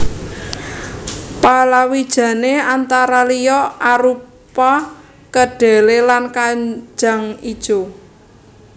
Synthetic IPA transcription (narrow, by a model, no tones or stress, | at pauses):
palawid̥ʒ̥ä̤neant̪aɾalijɔʔaɾu | pa | kəɖ̥e̤lelankaɲd͡ʒ̥a̤ŋid̥ʒ̥o̤